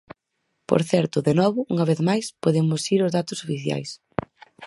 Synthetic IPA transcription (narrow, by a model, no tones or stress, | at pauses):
po̰ɾθɛɾt̪ʊðenɔβʊuŋɐβeθmajspoðemʊsiɾʊzðat̪ʊsofiθja̰js